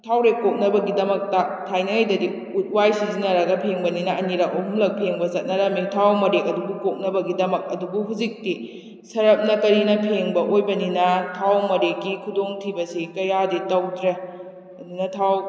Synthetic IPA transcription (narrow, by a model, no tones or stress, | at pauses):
tʰawɾekok̚nɐbɐɡidɐmɐk̚tatʰajnɐŋjdɐdi | ut̚wajsizinɐɾɐɡɐpʰeŋbɐninɐɐniɾakɐɦumlɐk̚pʰeŋbɐsɐt̚nɐɾɐmitʰawmɐɾekɐdubukok̚nɐbɐɡidɐmɐk̚ɐdubuɦuzik̚ti | sɐɾɐp̚nɐkɐɾinɐpʰeŋbɐʔojbɐninɐtʰawmɐɾekːikʰudoŋtʰibɐsikɐjaditɐwdɾe | ɐdunɐtʰaw